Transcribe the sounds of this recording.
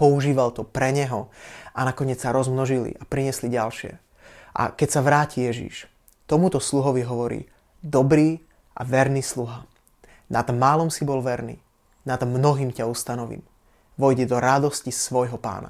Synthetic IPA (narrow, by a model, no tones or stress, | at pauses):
pɔuʒiːʋalt̪ɔpɾɛɲɛɦɔanakɔɲɪɛt͡ssaɾɔzmnɔʒilḭʔapɾiɲɛsliɟalʃɪɛ̰ | ʔa̰kɛcsaʋɾaːcijɛʒḭʃ | t̪ɔmut̪ɔsluɦɔʋiɦɔʋɔɾḭː | d̪ɔbɾiː | ʔa̰ʋɛɾnisluɦa | nad̪maːlɔmsibɔlʋɛɾnḭː | nad̪mnɔɦiːmcaust̪anɔʋḭːm | ʋɔjɟɛd̪ɔɾad̪ɔscisʋɔjɦɔpa̰ːna̰